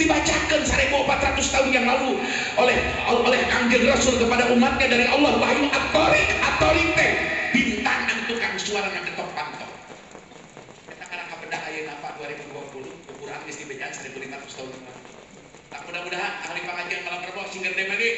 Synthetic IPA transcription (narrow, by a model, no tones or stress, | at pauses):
dibat͡ʃakənsaɾakumpat̪rat̪ʊst̪aʊnjaŋlalu | olɛh | olɛhaŋɡɪlrasʊlkəpadaʔumat̪̚ɲadaɾiʔɑlːɔhwaɦjuŋʔat̪oɾikat̪oɾit̪ɛhbint̪aŋənt̪ukansuaɾanjaŋkət̪ɔp̚pant̪a̰w | kanakaɾakapədaɦajanapaduaɾibuduapulukukuɾa̰nist̪ibat͡ʃansaɾikulimaɾat̪u̥st̪aʊnjaŋlalu | t̪amudahmudaɦanalipaɦad͡ʒamalapərbaksiŋɡərdemani